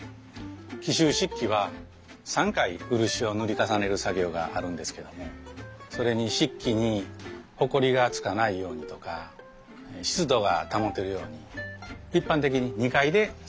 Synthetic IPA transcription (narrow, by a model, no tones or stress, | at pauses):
kʲiɕɨːɕikʲːiβa | sãŋkaiɯ̟ɾɯ̟ɕio̞nɯɾʲikasane̞ɾɯ̟saɡʲo̞ːɡa̰ʔaɾɯ̟̃nd̪e̞sɨ̥ke̞d̪o̞mo̞so̞ɾe̞ɲ̟iɕikʲːiɲ̟iho̞ko̞ɾʲiɡat͡sɨ̥kanaijo̞ːɲ̟it̪o̞ka | ɕi̥t͡sɨd̪o̞ɡat̪amo̞t̪ːe̞ɾɯ̟jo̞ːɲ̟iipːãnt̪̬e̞k̬ʲiɲ̟iɲ̟ikaid̪e̞